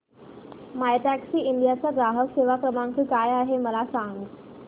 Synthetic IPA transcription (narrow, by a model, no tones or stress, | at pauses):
majt̪aksiːind̪ijat͡ɕaɡɾaɦəkseʋakɾəmaŋkiːkajaɦeməlasaŋɡ